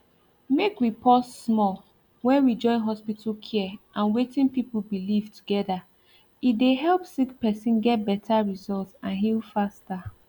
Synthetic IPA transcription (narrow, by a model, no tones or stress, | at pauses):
mekɹipʰɔtsmɔl | wɛ̃nwid͡ʒɔ̃ɪ̃nɦɔspitʰl̩kʰiɛʔãnwetĩnpipl̩bilivtʰuɡɛða | ideɦɛlpsikpɛsĩnɡɛt̚bɛtʰaɹizɔltsãnɦilfasta